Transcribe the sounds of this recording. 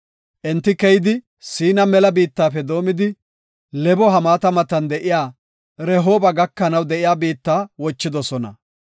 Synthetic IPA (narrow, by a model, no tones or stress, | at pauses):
ʔɛnt̪ːɪkɛjɪd̪ɪ | siːnɐmɛlɐbiːt̪ːaːfɛd̪o̞ːmɪd̪ɪ | lɛbɔɦɐmaːt̪ɐmɐt̪ɐnd̪ɛʔɪjaː | ɾɛɦoːbɐɡɐkːɐnɐwd̪ɛʔɪjaːbiːt̪ːaːwɔt͡ʃːɪd̪ɔsɔnɐ̰